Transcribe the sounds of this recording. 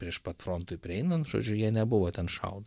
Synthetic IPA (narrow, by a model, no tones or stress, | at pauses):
pʲɾʲiɛʃpɐt̪fɾont̪ʊɪpʲɾʲɪɛɪnɐnt̪ʒ̥o̰ːd͡ʒʲʊjiɛnʲɛbʊʋoːt̪ʲɛnʃɐ̰ʊd̪o